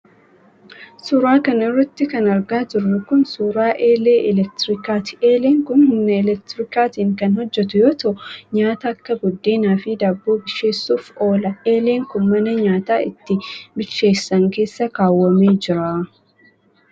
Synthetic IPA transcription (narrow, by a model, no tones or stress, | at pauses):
sʊɾaːkɐnɪrːɐt̪ːɪkɐnɐɾɡaːd͡ʒɪrːʊkʊnsʊɾaːʔeːleːʔɛlɛk̚t̪ɪɾɪkaːt̪ɪ̥eːleːŋkʊnmʊnɐɛlɛk̚t̪ɾɪkaːt̪iːŋkɐnhɔd͡ʒːɛt̪ʊjoːt̪oːɲaːt̪ɐɐkːɐɡɔd̪ːeːnaːfid̪aːbːoːbɪʃːe̞ːsːuːfo̞ːlɐeːle̞ːŋkʊnmɐnɐɲaːt̪aːɪ̰t̪ːɪbɪʃːe̞ːsːɐŋke̞ːsːɐkaːwːɐmeːd͡ʒɪɾaː